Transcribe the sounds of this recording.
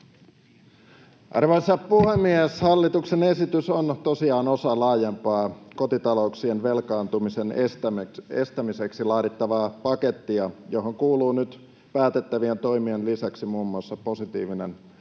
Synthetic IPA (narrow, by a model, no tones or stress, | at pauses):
ʔɑ̰rʋoisːɑpuhe̞mːieshɑlːit̪uksene̞sit̪ysont̪o̞siɑːno̞sɑlɑːjempɑːko̞t̪it̪ɑlo̞uksienʋe̞lkɑːnt̪umisenst̪æe̞̰st̪æmise̞ksilɑːɾit̪ːɑʋɑːpɑke̞t̪ːiɑjo̞ɦo̞ŋkuːluːnyt̪ | pæːt̪et̪ːæʋient̪o̞jmienlisæksimuːmːuɑsːɑpo̞sit̪ḭːʋinen